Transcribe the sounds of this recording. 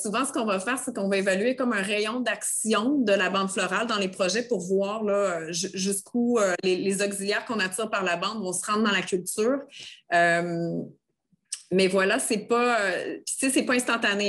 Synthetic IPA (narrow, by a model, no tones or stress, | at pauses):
suvɑ̃sə̥kɔ̃vafɛːʁsekɔ̃vaevalyekɔmœ̃ʁɛjɔ̃d̪aksjɔ̃d̪əlabɑ̃d̪flɔʁald̪ɑ̃lepχɔʒɛpʊʁvwɑːʁlʌøʒʒyskʰuølelezɔkziljɛːʁkɔ̃nat̪iːʁpaʁlabɑ̃d̪vɔ̃səʁɑ̃d̪ʁd̪ɑ̃lakʲylt̪yːʁøm | mɛvwalasɛpʌøpi̥sesɛpɔɛ̃st̪ɑ̃t̪ane